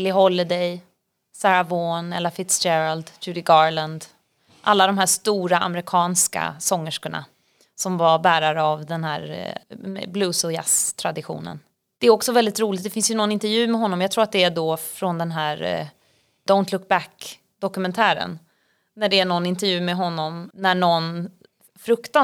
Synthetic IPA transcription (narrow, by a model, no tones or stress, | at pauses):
lɪɦɔlːɛd̪ɛj | sæɾavoːnɛlafɪt̪sd͡ʒɛɾald̪d͡ʒʉːɾɪɡɑɾland̪ | ʔalːad̪ɔmɦæːʂt̪uːɾaʔa̰mɾɪkʰɑːnska̰sɔŋːəʂkəɳa̰ | sɔmvaɾbæːɾaɾəavd̪ɛnhæ̰ːɾ | ɛ̰bluːsɔja̰st̪ʰɾad̪ɪɧṵːnə̰n | d̪̥ɛːɾɔksɔvɛld̪ɪt̪ɾuːlɪt̪d̪ɛfɪnsjɵnɔnːɪnt̪ɛɾjʉ̟ːmɛɦɔnːɔmjɑɡt̪ʰɾuːat̪d̪ɛæɖɔfɾɔnd̪ɛnɦæːɾ | d̪̥aʊnt̪lʊk̚bæk | d̪̥ɔkɵmɛnt̪ʰæːɾə̰n | næɖɛæɳɔnːɪnt̪ɛɾjʉ̟ːmɛɦɔnːɔmnæɳɔn | fɾɵkt̪a